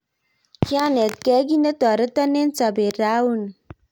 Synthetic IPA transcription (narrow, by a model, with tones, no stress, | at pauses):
ki˦a˦ne˨kɛ˦ɡi˦nə˦tɔ˨ɾə˦tɔ˦ne˦nt͡sa˨be˨ɾa˦wu˦˨n˨